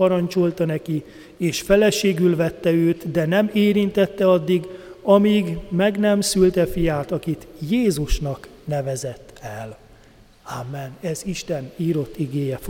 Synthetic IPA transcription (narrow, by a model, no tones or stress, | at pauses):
ɒɾɒnt͡ʃo̞lt̪ɒnɛki | eːʃfɛlɛʃeːɡylvɛt̪ːɛøːt̪d̪ɛnɛmeːɾint̪ɛt̪ːɛɒd̪ːiɡɒmiːɡmɛɡnɛmsylt̪ɛfijaːt̪ɒkit̪jeːzuʃnɒk | nɛvɛzɛt̪ːɛl | aːmːɛnɛziʃt̪ɛniːɾo̞t̪ːiɡeːjɛf